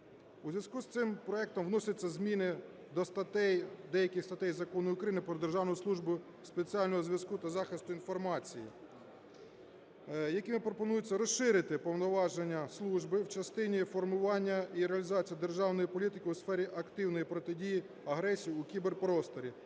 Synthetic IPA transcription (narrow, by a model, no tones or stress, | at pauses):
uzʲʋʲjɐskust̪sɪmpɾɔɛk̚t̪ɔmwnɔsʲɐt͡sʲːɐzmʲinɪ | d̪ɔst̪ɐt̪ɛjd̪ɛjɐkʲɪxst̪ɐt̪ɛjzɐkɔnʊjʊkɾɐjinɪpɾɔd̪erʒɑwnɔjʊslˠuʒbʊ | spet͡sʲiɑlʲnɔɦɔzʲʋʲjɐskut̪ɐzɑxɪst̪ʊinfɔrmɑt͡sʲiji | jɐkʲɪmɪpɾɔpɔnujʊt͡sʲːɐɾɔsʃɪɾɪt̪ɪpɔwnɔʋɑʒenʲːɐslˠuʒbɪwt͡ʃɐst̪ɪnʲifɔrmʊʋɑnʲːɐiɾeɐlʲizɑt͡sʲijɐd̪e̞rʒɑwnɔjipɔlʲit̪ɪkʲɪusfɛɾʲiʔɐkt̪ɪwnɔjipɾɔt̪ɪdʲiji | ɐɦɾɛsʲijiukʲiberpɾɔst̪ɔɾʲi